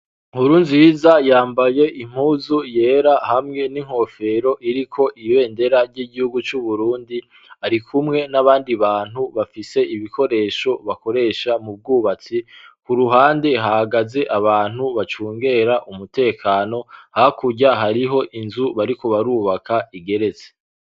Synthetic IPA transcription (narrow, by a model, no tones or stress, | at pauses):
huɾuːnzizajaːmbaje̞ʔim̥huːzuje̞ːɾahamŋe̞niŋ̥ho̞fe̞ɾo̞ʔiɾikʰo̞ʔiβe̞ːnde̞ɾaɾɟiːɟihuɡut͡ʃuβuɾuːndi | aɾikʰumŋe̞naβaːndiβaːn̥huβafise̞iβikʰo̞ɾe̞ʃo̞βako̞ɾe̞ːʃamub̚ɡuːβat͡sikuɾuɦaːndeɦahaɡaze̞ʔaβaːn̥huβat͡ʃuːŋɡe̞ɾaʔumute̞ːkʰaːno̞hakuɟaɦaɾiɦo̞ʔinzuβaɾikoβaɾuːβakʰaiɡe̞ɾe̞ze